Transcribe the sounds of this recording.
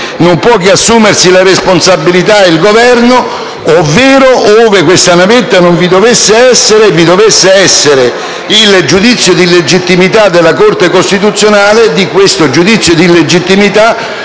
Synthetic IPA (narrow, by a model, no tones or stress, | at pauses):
nompwɔkeasːuːmersilaresponsabːilit̪ailɡovɛrno | ovːeːɾoʔoːvɪkwest̪anavet̪ːanoɱvid̪ovesːeɛsːeɾevid̪ovesːeɛsːeɾe | ild͡ʒud̪it̪sːjʊd̪iled͡ʒit̪ːimit̪ad̪ːelːakort̪ekost̪it̪̬ut̪sːjonaːled̪ikwest̪ʊd͡ʒud̪it̪sːjʊd̪iled͡ʒit̪ːimit̪a